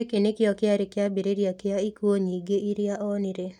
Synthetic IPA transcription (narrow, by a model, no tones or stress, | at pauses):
ekenekɪɔkɪaɾɪkɪabeɾeɾjakɪaikwoɲiɡeiɾɪaʔɔnɪɾe